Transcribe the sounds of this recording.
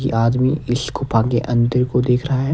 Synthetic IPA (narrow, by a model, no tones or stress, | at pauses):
kḭʔaːd̪miɪskʊpʰaːɡeʔɐ̃nd̪əɾkod̪eːkʰɾɐɦaɦɛː